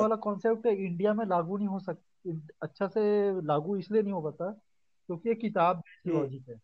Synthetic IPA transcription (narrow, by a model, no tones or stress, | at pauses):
aːlakɔ̃ːnsep̚ʈɦɛɪ̃ɳɖijamẽlaːɡunɐɦĩɦosɐk̚t̪ | ɐtːʃʰaselaːɡuɪslienɐɦĩɦopɐt̪a | kjõːkijekɪt̪aːbbɛːsiʋaːd͡ʒɪk̪ɦɛː